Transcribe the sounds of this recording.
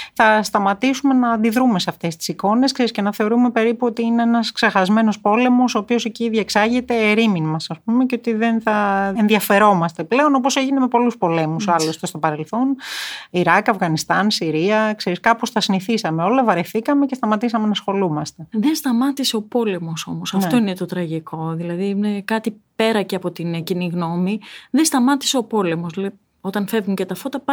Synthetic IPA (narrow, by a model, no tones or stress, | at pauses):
θɐst̪ɐmɐt̪isume̞nɐːnd̪iðɾume̞seɐft̪e̞st̪i̥siko̞ne̞skseɾisce̞nɐθe̞o̞ɾume̞pe̞ɾipuo̞t̪iine̞enɐsksexɐzme̞no̞spo̞le̞mo̞soːpio̞seciðɐksɐʝet̪e̞ːɾiminmɐsɐspumeceo̞t̪iðe̞nθɐenðiɐfe̞ɾo̞mɐst̪e̞ple̞o̞no̞p̬o̞se̞ʝine̞me̞po̞luspo̞le̞musɐlost̪est̪o̞pɐɾe̞lθo̞niɾɐkɐvɣɐnist̪ɐnsiɾiɐkseɾiskɐposθɐsiniθisɐmeo̞lɐvɐɾeθikɐme̞cest̪ɐmɐt̪isɐme̞nɐsxo̞lumɐst̪e̞ðenst̪ɐmɐt̪ise̞o̞po̞le̞mo̞so̞mo̞sɐfft̪o̞ine̞t̪o̞t̪ɾɐʝikʰo̞ðilɐðiinekɐt̪ipe̞ɾɐceɐpo̞t̪inciniɣno̞miðest̪ɐmɐt̪i̥se̞o̞po̞le̞mo̞slɐi | o̞t̪ɐnfe̞vunce̞t̪ɐfo̞t̪ɐpɐ